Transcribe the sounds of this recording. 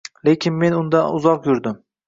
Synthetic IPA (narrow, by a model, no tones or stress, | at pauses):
le̞kʲʰɪnme̞nʊnd̪aʊzɒqjʊɾd̪ɪm